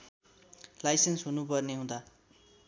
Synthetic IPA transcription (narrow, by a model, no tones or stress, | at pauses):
lajsensɦunupʌrniɦũd̪a